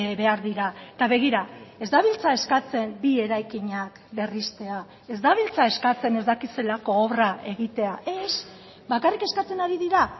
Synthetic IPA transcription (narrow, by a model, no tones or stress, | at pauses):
βe̞aɾðiɾaet̪aβe̞ɣiɾae̞zd̪aβ̞ilt͡sae̞skat͡se̞mbie̞ɾajkiɲak | be̞rist̪e̞a | e̞zd̪aβ̞ilt͡sae̞skat͡se̞ne̞zd̪akise̞lako̞ːβrae̞ɣit̪e̞aʔes | bakarike̞skat͡se̞naɾiðiɾa